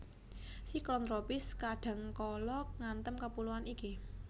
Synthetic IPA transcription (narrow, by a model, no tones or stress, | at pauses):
siklɔnt̪ɾopɪskaɖ̥a̤ŋkɔlɔk̚ŋant̪əmkəpuluaniki